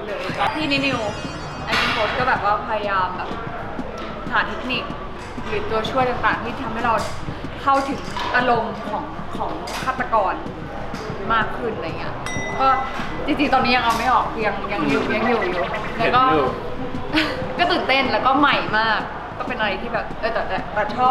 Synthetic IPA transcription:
lɤː˧jkɔː˥˩t̪ʰiː˥˩ni˦˥ni˧w | ʔa˧mi˧nfʰoː˦˥t̚kɔː˥˩bɛː˨˩p̚waː˥˩pʰa˧ja˧jaː˧mbɛː˨˩p̚ | ɦaː˩˦t̪ʰe˦˥k̚ni˨˩k̚ | ɾɯː˩˦t̪u˧ɐt͡ɕʰu˥˩əjt̪aː˨˩ŋt̪aː˨˩ŋt̪iː˥˩t̪ʰa˧mha˥˩jɾa˧w | kʰa˥˩wt̪ʰɯ˨˩˦ŋt̪a˧lo˧mkʰɔː˩˦ŋ | kʰɔː˩˦ŋ | kʰaː˥˩t̪ːa˧kɔː˧n | maː˥˩kʰːɯ˥˩nːa˧˨˩ŋi˦˥ɐ | kɔː˥˩ | t͡ɕi˧ŋt͡ɕi˧ŋt̪ɔː˧nːiː˦˥ja˧ŋʔa˧wma˥˩jʔɔː˨˩k̚ːja˧ŋja˧ŋju˨˩˧ja˧ŋjuː˨˩˨lɛː˦˥kɔː˥˩ | kɔː˥˩t̪ɯː˨˩nt̪e˥˩nlɛː˦˥wkɔː˥˩ma˨˩jmaː˥˩kː | ɔː˥˩pe˧nʔa˧ɾa˧jt̪ʰiː˥˩bɛː˨˩p̚ʔɤː˧˩t̪ɛː˨˩t̪ɛː˨˩ɾa˨˩t͡ɕʰɔː˥˩p̚

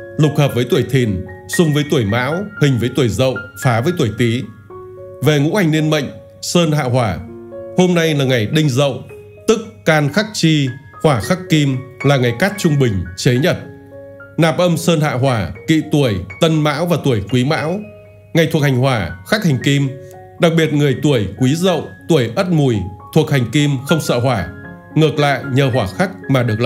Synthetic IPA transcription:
lʊ˨˩k͡p̚həː˨˩p̚vəː˨˦jt̪u˧˩əjt̪ʰi˨˩nsʊ˨˧ŋ͡mvəː˨˦jt̪u˧˩əjma̰ː˧˥whï˨˩ŋ̟vəː˨˦jt̪u˧˩əjzə̰˧˨wfaː˨˦vəː˨˦t̪u˧˩əjt̪i˨˦ | ve˨˩ŋṵ˧˥ha˨˩jŋ̟ni˧ənmə̰˧˨jŋ̟ | səː˧nɦa̰ː˧˨ɦwaː˧˩ho˧mna˧jlaː˨˩ŋa˨˩jɗï˧ŋ̟zə̰˧˨w | t̪ɨ˦˥k̚ːaː˧nxa˦˥k̚t͡ɕi˧ | hwaː˧˩xa˦˥kki˧mlaː˨˩ŋa˨˩jka˦˥k̚t͡ɕʊ˧ŋ͡mɓï˨˩ŋ̟t͡ɕe˨˦ɲə˧˩t̚ | naː˨˩p̚ʔə˧msəː˧nɦa̰ː˧˨ɦwaː˧˩kḭ˧˨t̪u˧˩əjt̪ə˧nma̰ː˧˥wvaː˨˩t̪u˧˩əjkwi˨˦ma̰ː˧˥w | ŋa˨˩jt̪̚ʰha˨˩ŋ̟hwaː˧˩xa˦˥k̚ha˨˩ŋ̟ki˧m | ɗa˨˩k̚ɓi˨˩ət̚ŋɨ˨˩əjt̪u˧˩əjkwi˨˦zə̰˧˨wt̪u˧˩əjʔə˦˥t̚mu˨˩jt̪ʰu˨˩ək̚ha˨˩jŋ̟ki˧mxə˧wŋ͡msə̰ː˧˨hwaː˧˩ | ŋɨ˨˩ək̚la̰ː˧˨jɲəː˨˩ɦwaː˧˩xa˦˥k̚maː˨˩ɗɨ˨˩ək̚l

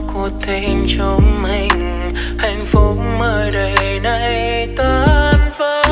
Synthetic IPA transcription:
ku˧˦ət̪ʰːe˧˦nt͡ɕo˧ŋ͡mma˧˩jŋ̟ | ha˧˩jŋ̟fʊ˨˦k͡p̚məː˧˩jɗəː˨˩jna˧jt̪ə˧˦nvə˧˦

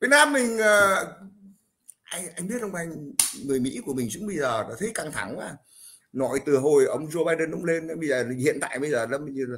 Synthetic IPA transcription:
vi˨˩t̚naː˧mːï˨˩ŋ̟əː˨˩ | ʔa˧jŋʔa˧jŋ̟ɓi˦˥ət̚ʔə˧ŋ͡mʔa˧jŋ̟ŋɨ˨˩əjmḭ˧˥ku˧˩əmï˨˩ŋ̟zɨ̰˧˥ŋɓə˧jzəː˨˩ɗɔ˨˦t̪ʰə˨˦jka˧ŋt̪ʰa˧˩˦ŋaː˧˩ | nɔ˨˦jt̪ɨ˨˩ɦo˨˩jʔə˧wŋ͡mzo˧ɓaː˧jɗə˨˩nʔʊ̰˨˧˦ŋ͡mle˧n˧˨˦ɓə˧jzəː˨˩˨hḭ˧˨ənt̪a̰ː˧˨jɓə˧jzəː˨˩lmi˨˩˧

